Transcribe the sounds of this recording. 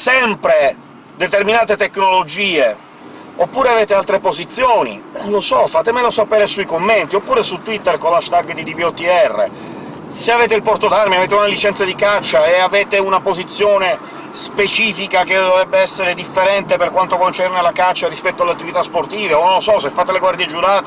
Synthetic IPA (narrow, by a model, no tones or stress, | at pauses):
sɛmpɾe | d̪et̪erminaːt̪et̪ekːnolod͡ʒiːe | opːuːɾeaveːt̪ealt̪ɾepozit̪sːjoːnḭnolosɔfaːt̪emelosapeːɾesuikomːent̪iopːuːɾesut̪ːwit̪ːerkolaʃt̪aɡd̪id̪ibiɔt̪ːiɛrːḛ | seaveːt̪̬eilpɔrt̪od̪armiaveːt̪eunalit͡ʃɛnad̪ikat͡ʃːaeaveːt̪eunapozit̪sːjoːne | spet͡ʃiːfikak̟ed̪ovɾɛbːeɛsːeɾed̪ifːeɾɛnt̪eperkwant̪okont͡ʃɛrnelakat͡ʃːarispɛt̪ːoaleat̪ːivit̪asport̪iːveonolːosɔsefːaːt̪eleɡward̪jed͡ʒuɾaːt̪e